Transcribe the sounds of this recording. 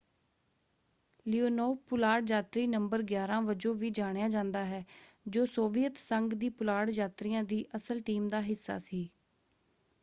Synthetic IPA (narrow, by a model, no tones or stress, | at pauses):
lioːnoːpʊlaːɽd͡ʒaːt̪ɾiːnəmbəɾɡjaːɾãːʋəd͡ʒõːʋiːd͡ʒaːɽ̃jãːd͡ʒãːnd̪aːɦɛːd͡ʒoːsoːʋijət̪səŋɡd̪iːpʊlaːɽd͡ʒaːt̪ɾijãːd̪iːʔəsəlʈiːmd̪aːɦɪsːa̰ːsiː